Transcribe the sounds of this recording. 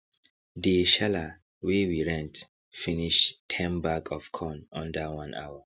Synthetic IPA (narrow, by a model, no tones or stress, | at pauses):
diʃala | wewiɹɛ̃nt | finiʃtʰɛ̃mbakʰɔfkʰɔ̃nãndəwãnʔa̰wa